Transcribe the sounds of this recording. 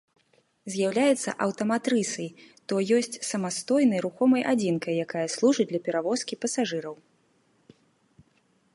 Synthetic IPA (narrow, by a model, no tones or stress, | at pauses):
zʲjawlʲajɛt̪sːɐ̰ʔɐwt̪ɐmat̪ɾɨsɐjt̪ɔjɔsʲt͡sʲsɐmast̪ɔjn̪ɐjɾuxɔmɐjʔad͡zʲinkɐjːakajɐslˠuʐɨd͡z̚ʲdlʲɐpʲɛɾavɔskʲipɐsaʐɨɾɐw